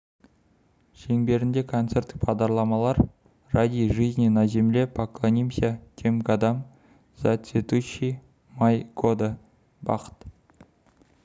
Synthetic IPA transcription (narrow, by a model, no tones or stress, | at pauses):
ʒeŋbe̞ɾɪnd̪e̞kʰont̪se̞ɾt̪ːɪ̥k̚pʰɑʁd̪ɑɾlˠɑmɑlˠɑɾ | rad̪ʲijʒiznenɑʒemlepʰaklˠonʲimʲsʲakʲʰemɡad̪am | z̥at̪set̪uʃi | majɡod̪ə | bɑ̰qə̥t̪